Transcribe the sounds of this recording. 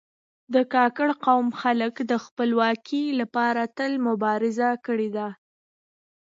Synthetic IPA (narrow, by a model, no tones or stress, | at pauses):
d̪əkɑkəɽqawmxaləkd̪əxpəlwɑkʰilapɑɾat̪əlmʊbɑɾɪzakəɽed̪a